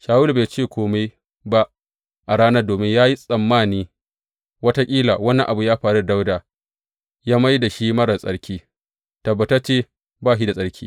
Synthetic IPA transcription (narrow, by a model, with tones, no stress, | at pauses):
ʃaː˨wu˦lbeː˨t͡ʃeː˦˨kʷʰoː˦ma˦j | ba˦ʔ | ʔa˨ɽaː˦nɐ˦doː˨mɪ˦ɲjaː˦ji˦sʼɐ˨mːaː˦˨niː˦ | wɐ˦ta˦kʲʼiː˦la̰˨wɐ˦nːɐ̰̃˨˦ʔa˨bu˨jaː˦ɸaː˨ɽu˦˨da˦wdaː˨ | jaː˦ma˦jda˨ʃi˦mɐ˦ɽɐ˨sʼɐ̰˦ɽkʲiː˦ | tɐ˨bːɐ˨tɐ˦t͡ʃeː˦˨ | baː˦˨ʃi˦da˨sʼɐ˦ɽkʲʰiː˦